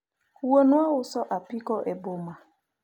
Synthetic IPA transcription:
uwonuaʊsɔʔapikɔʔɛboma

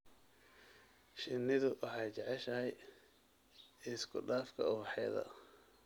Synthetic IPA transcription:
ʃɪnːɪðʊwʔɑħɑjt͡ʃɑʕɛʃɐɦɛj | ɪskʰʊɖaːfkʰɐ̰ʊβɑħɛːðɐ̰

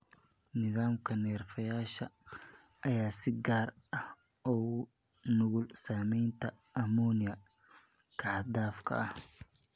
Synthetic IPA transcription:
nɪðaːmkʰɐnɛːrfɐjaːʃɐ | ʔɐjaːsɪɡaːr | ɐh | ɔː | nʊɣʊlsaːmɛjnt̪ʰɐ | ʔɐmɔːnɪjɐ | kʰɑʕɑd̪aːfkʰɐ̰ʔɐh

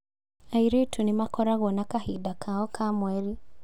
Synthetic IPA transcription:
ajɾetʰunimakɔɾaɣɔnakahidakʰaɔkʰamwɛli

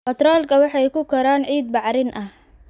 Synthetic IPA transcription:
fɐt̪rɔːlkʰɐwɑħɑjkʰʊkʰɐɾaːnʕiːd̪̚bɑʕɾɪnʔɐh

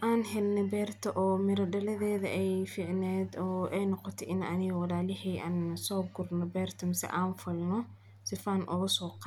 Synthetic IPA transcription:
ʔaːnɦɛlnɛbɛːrt̪ʰɐʔɔːmɪɾɐɖɐlɐðɛːðɐʔɛjfiːʕnɛːd̪ɔːʔɛjnɔqɔt̪ʰɛʔɪnɐnɪɣɐwɑlaːlɪhɛjʔaːnsɔːb̚ɡʊrnɔbɛːrt̪ʰɐmɪsɛ̰ʔaːnfɐlnɔ | sɪfaːnʔɔɣɐsɔːqɑ

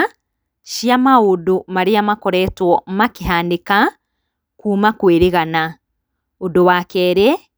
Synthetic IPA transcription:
ʃiamaodomaɾeamakɔɾɛtwɔmakeɦaːndeka | kuːmakweɾeɣana | odowakɛːɾɛ

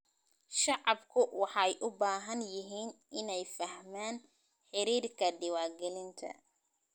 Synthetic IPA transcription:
ʃɑʕɑbkʰʊwɑħɑɛjʔʊbaːɦɐnjɪɦiːnʔɪnɛjfɐhmaːn | ħɪɾiːrkʰɐɖɪwɑːɡɛlɪnt̪ʰɐ̰

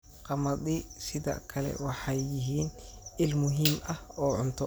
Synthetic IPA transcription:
qɑmɐd̪ɪsɪða̰ːkʰɐlɛ̰wɑħɑjːɪɦiːnɪlmʊɦimʔɐhɔːʕʊnt̪ʰɔ

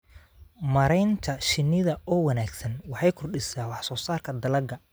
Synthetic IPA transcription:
mɐɾɛjnt̪ʰɐʃɪnːɪðɐɔːwɐnaːɡsɐnwɑħɑjkʰɔrɗɪsaːwɑħsɔːsaːrkʰɐd̪ɐlɐɡɐ

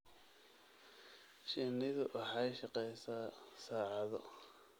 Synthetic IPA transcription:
ʃɪnɪðʊwʔɑħɑjʃɑqɛjsaːsaːʕɑðɔ

